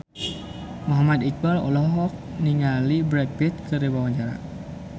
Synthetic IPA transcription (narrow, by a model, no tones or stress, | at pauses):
mɔɦamad̪ik̚balɔ̰lɔɦɔk̚niŋalibɾɛk̚pit̪̚kəɾebawaɲt͡ʃaɾa̰